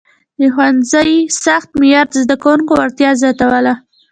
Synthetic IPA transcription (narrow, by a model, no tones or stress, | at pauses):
d̪əxwanzəjsaxt̪̚mɪjɑɾd̪əzd̪akawuŋkowaɾt̪jɑzɑt̪awəla